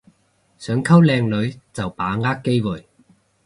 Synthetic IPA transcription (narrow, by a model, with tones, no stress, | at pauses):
sœː˨˥ŋkʰɐ˥wlɛː˧ŋlɵ˨˧ɥt͡sɐ˨wpaː˨˥ŋaː˥kːe˥jwu˨˩j